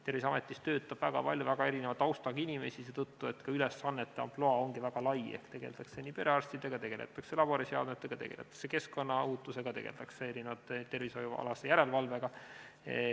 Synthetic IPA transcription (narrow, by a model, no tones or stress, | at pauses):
t̪e̞rvis̬ɑme̞t̪ːˑist̪ø̞ːt̪ːˑɑb̥væɡ̥ɑ̰pɑlʲjuvæɡɑe̞ɾinevɑt̪ːˑɑwst̪ɑɡinʲime̞̰siset̪ut̪ːue̞t̪ːkɑylesːɑnːet̪ːˑeɑ̰mploɑo̞ŋɡivæɡ̥ɑlɑjehkt̪e̞ɡ̥e̞̰ld̪ɑksenipe̞ɾeɑrst̪id̪̥eɡ̥ɑt̪e̞ɡ̥e̞̰lḛt̪ːˑɑkse̞lɑbo̞ɾisjɑ̰wd̪met̪ːˑe̞ɡ̥ɑt̪e̞̰ɡ̥e̞lʔe̞t̪ːˑɑ̥kse̞ke̞sko̞nːɑuːt̪ːˑuse̞ɡ̥ɑt̪e̞ɡ̥e̞̰ld̪ɑkseeɾinevɑt̪ːˑt̪ːe̞rvisojuɑ̰lɑsejæɾe̞lvɑlveɡ̥ɑ